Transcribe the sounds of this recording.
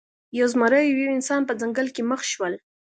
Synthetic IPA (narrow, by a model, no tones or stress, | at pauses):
jawzmaɾəjwjawɪnsɑnpəd͡zaŋɡəlkeməxʃwəl